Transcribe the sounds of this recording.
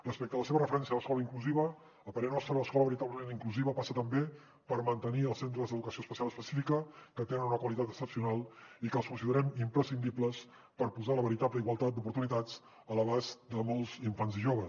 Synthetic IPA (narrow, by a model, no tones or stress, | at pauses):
rəspɛk̚t̪əðələseβərəfəɾɛnsiələskɔləiŋkluziβ̞əː | lˠpəɾenɔst̪ɾəələskɔləβəɾit̪abləmeniŋkluziβəpasət̪əmbe | pəɾmənt̪əniəlˠsent̪ɾəzd̪əðukəsioəspəsialəspəsifikəkət̪enənunəkwəlit̪at̪əst̪əsiunalˠikəlˠskunsiðəɾɛmimpɾəsind̪ipləs | pəɾpuzaləβəɾit̪apləiɣwəlˠt̪at̪̚d̪upuɾt̪unit̪ad͡z | ələβazd̪əmɔlˠziɱfanziʒoβ̞ə